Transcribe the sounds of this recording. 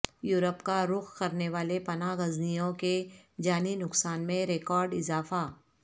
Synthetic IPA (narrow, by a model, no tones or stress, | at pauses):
juːɾəpkaɾʊxkɐɾneʋaːlepɐnaɣɐznijõked͡ʒaːninʊksaːnmẽɾeːkɔːɾɖɪzaːfa